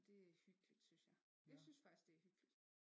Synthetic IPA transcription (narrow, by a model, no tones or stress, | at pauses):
d̥e̝æhyɡ̥əlid̥synsjɑɪ | jaɪsynsfaɡ̥isd̥d̥e̝æɐhyɡ̥əlid̥